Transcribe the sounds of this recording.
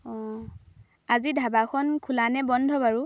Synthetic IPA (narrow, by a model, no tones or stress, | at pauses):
ɔ | azidʱabakʰɔnkʰulanɛbɔndʱɔbaɹu